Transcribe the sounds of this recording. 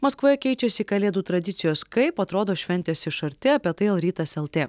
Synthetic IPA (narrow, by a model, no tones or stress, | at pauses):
mɐskʋoːjɛkʲɛɪt͡ʃʲɛsʲiːkɐlʲeːd̪uːt̪ɾɐd̪ʲɪt̪sʲɪjoːskɐɪpɐt̪ɾoːd̪oːʃʲʋʲɛnʲt̪ʲeːsɪʃɐɾʲt̪ʲɪɐpʲiɛt̪ɐɪɛlˠɾʲiːt̪ɐsɛlˠt̪ʲeː